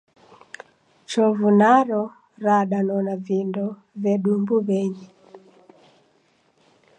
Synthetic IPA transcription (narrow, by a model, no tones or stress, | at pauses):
t͡ʃɔvunaɾɔ | ɾaɗanɔnavindɔ | vɛɗumbuβɛɲi